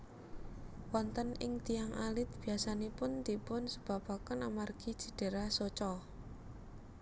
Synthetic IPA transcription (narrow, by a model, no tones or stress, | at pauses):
wɔnt̪ənɪ̰ŋt̪ijaŋʔalɪt̪̚b̥i̤asanepʊnd̪̥ipʊnsəb̥a̤pakənamarɡ̥i̤̥ʒ̥ə̤d̥e̤ɾahsot͡ʃɔ